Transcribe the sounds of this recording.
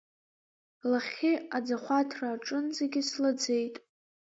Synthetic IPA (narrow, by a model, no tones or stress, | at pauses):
laχʲɪad͡zaχʷatʰraːʈ͡ʂʼɨnzeɡʲɪslad͡ze̞jtʼ